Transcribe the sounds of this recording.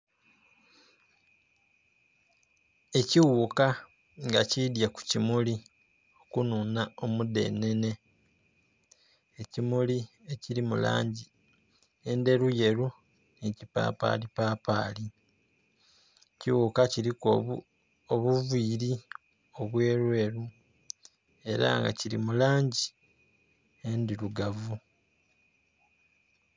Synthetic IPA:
e̞ciwuka | ŋɡa̰cidjaku̥cimuli | okununao̞mude̞̰nːe̞ne̞ | ecimulie̞ciɾimula̰ːɲɟi | e̞nde̞ɾuje̞ɾu | necipa̰ːpa̰ːlipaːpaːli | ciwuːkaciɾiko | oβuviːɾi | o̞βwe̞ːɾwe̞ːɾu | e̞ɾa̰ŋɡa̰ciɾḭmulaːɲɟi | endiɾuɡavu

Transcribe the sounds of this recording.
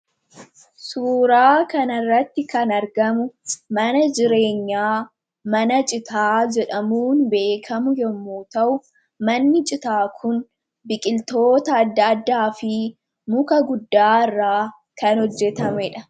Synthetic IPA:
suːɾaːkɐnɐrːɐt̪ːɪkɐnɐɾɡɐmʊmɐnɐd͡ʒɪɾe̞ːɲːaː | mɐnɐt͡ʃʼɪt̪aːd͡ʒɛᶑɐmuːnbe̞ːkʰɐmʊjɛmːoːt̪ɐʔʊ | mɐnːɪt͡ʃʼɪt̪aːkʰʊn | bɪkʼɪlt̪o̞ːt̪ɐːd̪ːɐːd̪ːaːfɪ | mʊkɐɡʊd̪ːaːɪrːaː | kɐnhɔd͡ʒːɛt̪ɐmɛᶑɐ

